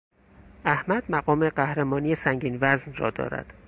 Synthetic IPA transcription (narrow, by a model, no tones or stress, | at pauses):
ʔæhmæd̪̥̚mæɢɒːmeɢæhɾemɒːnijesæŋɟiːnvæznrɒ̰ːd̪ɒ̰ːɾæ̰d̪̥